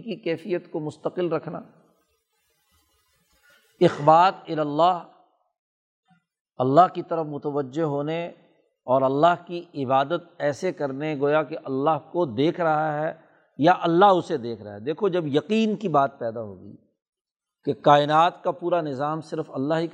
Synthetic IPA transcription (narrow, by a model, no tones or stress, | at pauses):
kikɛːfijət̪komʊst̪əqɪlɾɐkʰna̰ː | ɪxbaːt̪ɪlɐlːaːɦ | ɐlːaɦkit̪ɐɾəfmʊt̪əʋəd͡ʒːeɦoːne | ɔːɾɐlːaɦkiɪbaːd̪ət̪̚ɛːsekɐɾneɡoːjakeʔɐlːaɦkod̪eːkʰɾɐɦaɦɛː | jaʔɐlːaɦʊsed̪eːkʰɾɐ̰ɦaɛd̪eːkʰod͡ʒɐbjɐqiːnkibaːt̪̚pɛːd̪aɦo̰ːɡḭː | keqaːɪnaːt̪kapuːɾanɪzaːmsɪɾfɐlːaɦik